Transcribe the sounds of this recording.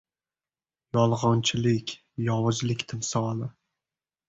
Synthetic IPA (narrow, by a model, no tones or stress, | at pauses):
jɒlˠʁɒnt͡ʃʰɪlɪkʲ | jɒwɨd͡ʒlɪkʲt̪ʰɪmsɒlˠɪ